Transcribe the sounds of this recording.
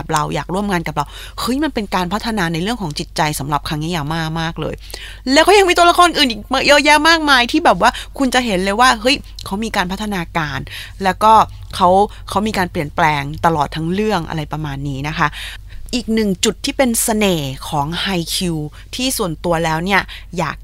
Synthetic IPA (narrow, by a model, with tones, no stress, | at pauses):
p̚ɾa˧wjaː˨˩k̚ɾu˥˩əmŋaː˧nka˨˩p̚ɾa˧w | hɤ˦˥jma˧npe˧nkaː˧npʰa˦˥t̪ʰːa˧naː˧na˧jɾɯ˥˩əŋkʰɔː˩˦ŋt͡ɕi˨˩t̪̚t͡ɕa˧jsa˩˦mɾa˨˩p̚kʰa˧ŋji˦˥jaː˨˩maː˥˩k̚maː˥˩k̚lɤ̰ː˧j | lɛː˦˥wkʰa˦˥wja˧ŋmiː˧t̪u˧la˧˥kʰɔː˧nʔɯː˨˩n˨˩m˧˥jɤː˦˥jɛː˥maː˥˩k̚maː˧jt̪ʰiː˥˩bɛː˨˩p̬̚waː˥˩kʰu˧nt͡ɕa˨˩ɦe˩˦nlɤː˧jwaː˥˩ɦɤ˦˥jkʰa˦˥wmiː˧kaː˧npʰt̪ʰːa˧naː˧kaː˧nlɛː˦˥wkɔː˥˩ | kʰa˦˥w | kʰa˦˥wmiː˧kaː˧npli˨˩ənplɛː˧ŋt̪a˧lɔː˨˩t̪ʰːa˦˥ŋɾɯ˥˩əŋʔa̰˧ɾa˧jpɾa˧maː˧nːiː˦˥na˦˥kʰa˦˥ | ʔiː˨˩k̚nɯ˨˩ŋt͡ɕu˨˩t̪ʰːiː˥˩pe˧nsa˧neː˨˩kʰɔː˩˦ŋha˧jkʰiː˧w | t̪ʰiː˥˩su˨˩ənt̪u˧ɐlɛː˦˥wni˥˩ɐja̰ː˨˩k̚